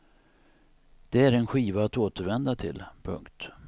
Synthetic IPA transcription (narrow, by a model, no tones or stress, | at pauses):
d̪̥ɛæɾɛnɧiːvaːt̪oːt̪əɾvɛnd̪at̪ʰɪ̰lpʰɵ̰ŋkt̪